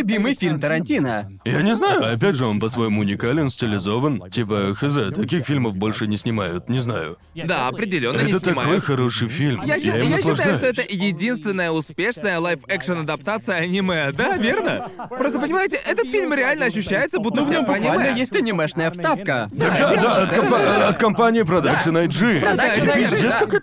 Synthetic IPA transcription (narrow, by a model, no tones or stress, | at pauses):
ʊbʲimɨjfʲilʲmt̪əɾɐnʲtʲinə̰ | janʲɪznajʊɐpʲætʲʐɨo̞npəsvojomʊʊnʲɪkalʲɪnsʲtʲɪlʲɪzo̞vəntʲipəxəzɛt̪ɐkʲixfʲilʲməfbo̞lʲʂɨnʲɪsʲnʲɪmajʊt̪nʲɪznajʊ̰ | d̪aɐpɾʲɪdʲɪlʲo̞nːəɛnɪt̪əsnt̪ɪɐmao̞jxɐɾo̞ʂɨjfʲilʲmjajaɪmjaɕːɪɐʐaj̪ʊaʂt̪oɛt̪əjɪdʲinst̪vʲɪnːəjəʊspʲe̞ʂnəjəlˠajfɛkʂənɐd̪ɐpt̪at̪sɨjəɐnʲiməjəd̪avʲe̞rnəpɾost̪əpənʲɪmajɪtʲɪʔɛt̪ət̪fʲilʲmɾʲɪalʲnəɐɕ̬ːʉɕːæjɪt̪səbut̪ːəsvnʲomnʲiməjesʲt̪ʲnʲɪmɛʂnəjəfst̪afkəd̪ad̪ad̪aɐt̪kɐpaɐt̪kɐmpanʲɪɪp̬ɾɐd̪aksɨnɐjʐɨd̪ad̪ait̪ɨzdʲesʲkɐa